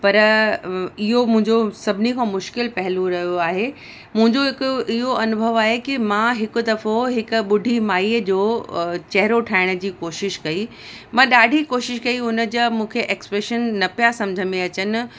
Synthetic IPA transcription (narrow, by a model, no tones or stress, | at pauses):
pɐɾ | ɪɦomʊ̃ɦɪ̃ɲd͡ʑosɐbʱɪnikʰãːmʊʃkɪlpɐɦɪloɾɐɦijoaːɦe | mʊ̃ɦɪ̃ɲd͡ʑoɦɪkʔɪɦoʔɐnʊbʱəʋaːɦekimãɦɪkʊd̪ɐɾfoɦɪkʊɓʊɖʱimaːiəd͡ʑoːt͡ɕɐɦɪɾoʈʰaːɪɽ̃ə̆d͡ʑiːkoːʃɪʃkɐi | mãɗaːɖʱikoːʃɪʃkɐiʊnə̆d͡ʑɐmũːkʰeʔeːkspɾeːʃənːɐpijasɐ̃md͡ʑʱəmẽɐt͡ɕənɪ̆